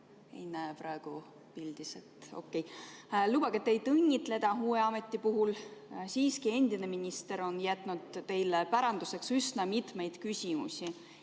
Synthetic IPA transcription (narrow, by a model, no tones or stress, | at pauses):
ḛjnæpɾɑeɡ̥u | pild̪̥iset̪o̞̰kˑːejluːbɑɡ̥et̪ːejt̪ɤnʲːit̪le̞d̪ɑɦuːe̞ɑme̞t̪ˑːipuɦulsiːskie̞nd̪̥ine̞minʲist̪e̞ɾo̞njæt̪ˑnud̪̥t̪e̞jlepæɾɑnd̪̥use̞ksysnɑmit̪ˑme̞jd̪̥kysʲimṵsʲi